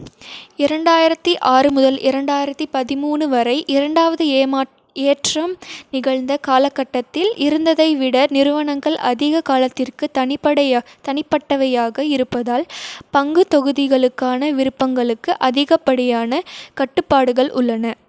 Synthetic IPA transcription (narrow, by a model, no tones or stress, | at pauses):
ɪɾɐɳɖaːjɪɾɐt̪ːiʔaːɾɯmʊðɐlʔɪɾɐɳɖaːjɪɾɐt̪ːipɐðɪmuːnɯʋɐɾɐɪʔɪɾɐɳɖaːʋɐðɯ | eːʈrɐmnɪɣɐɭnd̪ɐkaːlɐkːɐʈːɐt̪ːɪlʔɪɾɯnd̪ɐðɐɪʋɪɽɐnɪɾɯʋɐɳɐŋɡɐɭʔɐ̰ðɪɣɐkaːlɐt̪ːɪrkɯt̪ɐnɪpɐɽɐt̪ɐɳɪpːɐʈːɐʋɐjaːɣɐɪɾɯpːɐðaːlpɐŋɡɯt̪ɔɣɯðɪɣɐɭɯkːaːnɐʋɪɾɯpːɐŋɡɐɭɯkːɯʔɐðɪɣɐpːɐɽɪjaːnɐkɐʈːɯpːaːɽɯɣɐɭʔʊ̰ɭːɐnɐ